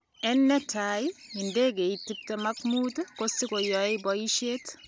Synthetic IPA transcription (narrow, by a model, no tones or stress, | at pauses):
ɛnːɛtajindekeitːip̚temakmutkosikojɔebɔiʃet